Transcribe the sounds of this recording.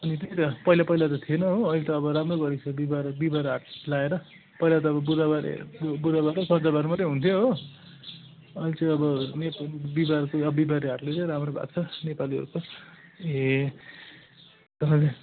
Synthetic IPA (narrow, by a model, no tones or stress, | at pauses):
ʌnit̪ejt̪ʌpʌijlapʌilat̪ʌt̪ʰienʌɦoːilet̪ʌːbʌɾamroɡʌɾit͡sʰʌbibaɾbibaɾaʈllaeɾʌ | pʌijlat̪ʌːbʌbud̪abaɾḛbud̪abaɾesʌnd͡zʌbaɾmʌt̪ʌɦunt̪ʰjoɦo | ʌlit͡saj̃ʌbʌnebibarkoʌbibaɾiaʈlet͡sʌjɾamrobʱa̰ɡ̚t͡sʰʌnepaliʌ̰ɾut͡sʰʌ | e | t̪ʌale